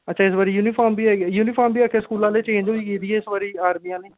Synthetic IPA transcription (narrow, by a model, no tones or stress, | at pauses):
ətːʃʰaːɪs̬baːɾiːjuːnipʰaːɾmbiːɛːɡjuːniːpʰaːɾmbiːakʰeːskuːlãːleːt͡ʃẽːnd͡ʒoːiːkiːd̪iːɛːɪsbaːɾiːaːɾmiːãːneː